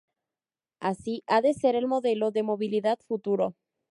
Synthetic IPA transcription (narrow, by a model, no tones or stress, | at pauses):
asiʔaðe̞se̞ɾe̞lmo̞ðe̞lo̞ðe̞mo̞βiliðaðfut̪uɾo